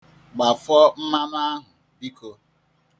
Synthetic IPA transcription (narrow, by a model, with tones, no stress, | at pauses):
ɡ͡ba˨fɔ˦m̩˦ma˦na˦a˦ɦʊ˨ | bi˦ko˨